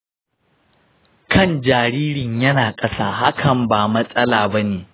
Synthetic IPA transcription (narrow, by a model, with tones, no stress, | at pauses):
kʰɐ˦˨nd͡ʒaː˨ɾiː˦ɾɪ˨ɲjɐ˦naː˨kʼɐ˦saː˦ɦa˦kʰɐ˨mbaː˨mɐ˦sʼɐ˦laː˨bɐ˦neː˨